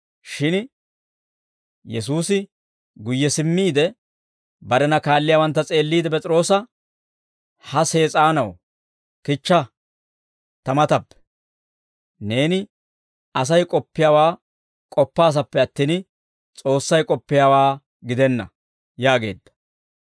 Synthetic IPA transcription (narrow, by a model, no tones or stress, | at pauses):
ʃɪn | jɛs̬uːsɪ | ɡʊjːɛsɪmːiːd̪ɛ | bɐɾɛnɐkaːlːɪjaːwɐnt̪ːɐt͡sʼe̞ːlːiːd̪ɛp̬ɛt͡sʼɪɾo̞ːsɐ | hɐse̞ːt͡sʼaːnɐw | kɪt͡ʃːɐ | t̪ɐmɐt̪ɐpːɛ̥ | ne̞ːnɪ | ɐs̬ɐjkʼɔpːɪjaːwaː | kʼɔpːaːs̬ɐpːɛɐt̪ːiːn | t͡sʼo̞ːsːɐjkʼɔpːɪjaːwaː | ɡɪd̪ɛnːɐ̰ | jaːɡe̞ːd̪ːɐ̥